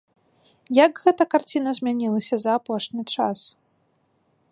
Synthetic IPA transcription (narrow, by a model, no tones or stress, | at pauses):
jɐɡɣɛt̪ɐkart͡sʲinɐzʲmʲanʲilˠɐsʲɐzɐːpɔʂnʲit͡ʂas